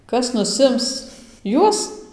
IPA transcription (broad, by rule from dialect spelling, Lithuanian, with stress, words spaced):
ˈkɐs nʊˈsʲɪms ˈjuɔs